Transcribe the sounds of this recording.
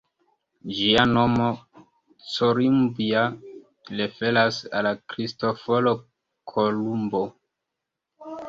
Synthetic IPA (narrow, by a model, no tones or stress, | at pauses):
d͡ʒiano̞mo̞ | t͡soɾimbia | lefe̞lasa̰lakɾisto̞folo | kʰolumbo